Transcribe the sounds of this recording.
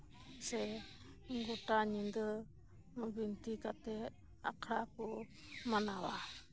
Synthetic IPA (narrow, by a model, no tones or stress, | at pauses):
sɛ | ɡuʈaɲind̪ə | bint̪ikat̪ɛ | a̰kʰɾaku | manawa